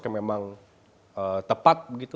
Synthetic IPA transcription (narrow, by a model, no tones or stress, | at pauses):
kamemaŋ | ət̪əpat̪̚bəɡit̪u